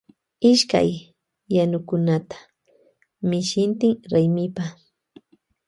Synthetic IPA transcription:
ɪʃka̰jː | anʊkʊnat̪ḁ | mɪʃɪnt̪ɪŋɾajmɪpa

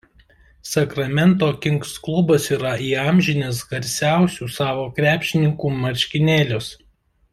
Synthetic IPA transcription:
sɐkɾɐmʲɛnt̪oːkʲɪŋksklˠʊbɐsiːɾɐiːɑːmʲʒʲɪnʲeːs̬ɡɐɾʲsʲæˑʊsʲuːsɑːʋoːkɾʲæːpʲʃʲɪnʲɪŋkuːmɐɾʲʃʲkʲɪnʲeːlʲʊs

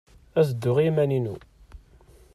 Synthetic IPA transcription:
æzəd̪ːʊʁimæninṵ

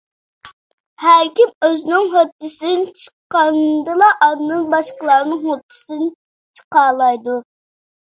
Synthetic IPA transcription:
hæɾkʲimøzɪnɪŋɦot̪ʰːɪsnt͡ʃʰə̥qːɑnd̪ɨlˠɑʔɑnnɨnbɑʃqəlˠɑɾnɨŋhot̪ʰːɨ̥sɨn | t͡ʃʰə̥qɑlˠɑjd̪u

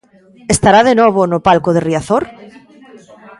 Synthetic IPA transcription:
est̪aɾaðenɔβ̞onopalkoð̞eriaθoɾ

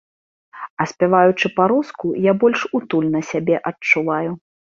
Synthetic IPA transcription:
ɐsʲpʲɛvajut͡ʂɨpaɾuskujabɔlʲʂut̪ulʲnɐsʲabʲɛʔɐt͡ʂːuvaju

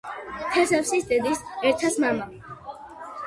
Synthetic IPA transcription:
t̪ʰɛsɛfsisd̪ɛd̪isɛɾt̪ʰasmama

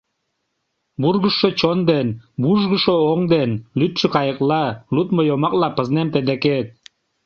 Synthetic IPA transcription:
burɣəʃːot͡ɕond̪enbuʒɣəʃooŋd̪enlyt̪ʃĕkɑjəklɑlut̪mojomɑk̚lɑpəznemt̪ed̪eket̪̚

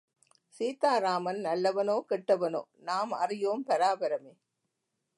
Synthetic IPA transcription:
siːt̪aːɾaːmɐnnɐlːɐʋɐnoːkɪʈːɐʋɐno̰ːnaːmɐ̰rɪjoːmpɐɾaːbɐɾɐmeː

